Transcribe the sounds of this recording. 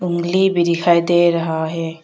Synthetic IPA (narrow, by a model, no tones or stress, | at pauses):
ʊŋɡlibʱiɾɪkʰaːjd̪eːɾɐɦaɦɛː